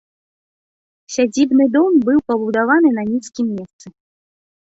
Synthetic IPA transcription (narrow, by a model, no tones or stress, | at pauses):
sʲad͡zʲibnɨd̪ɔmbɨwpɐbud̪avanɨnɐnʲiskʲimʲːɛst̪sɨ